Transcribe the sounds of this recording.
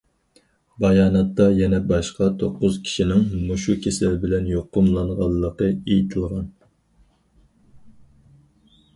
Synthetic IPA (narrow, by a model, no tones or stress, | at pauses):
bɑjɑːnɑt̪ːɑjɛnɛbɑʃqɑt̪ʰoqːʊzkʲʰi̥ʃinɪŋmuʃukʲʰesɪɾbɪlɛnjoqːʊmlˠɑɴʁɑlˠːəqəejit̪ʰɨlˠʁɑn